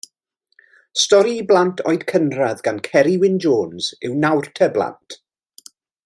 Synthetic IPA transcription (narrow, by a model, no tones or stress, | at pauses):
stɔɾiblˠantʰɔ̰jdkʰənraðɡankʰɛɾiwɪnd͡ʒoːnz̥ɪwnawrtʰəblˠa̰ntʰ